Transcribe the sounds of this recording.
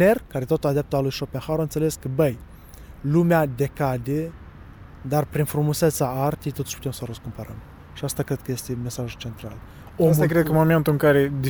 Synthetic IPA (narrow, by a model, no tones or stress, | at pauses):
erkaɾe̞t̪o̞t̪ulad̪ap̚t̪əalujʃopenxaɾoaɨnt̪sele̞skəbəj | lumead̪e̞kad̪e | d̪arpɾinfɾumuset̪saart̪ijt̪ot̪u̥ʃʲpu̥t̪emsəɾəskumpəɾəm | ʃiast̪akɾed̪̚kəje̞st̪e̞me̞saʒut͡ʃe̞nt̪ɾa̰l | okɾed̪kəmoment̪uɨŋkaɾed̪i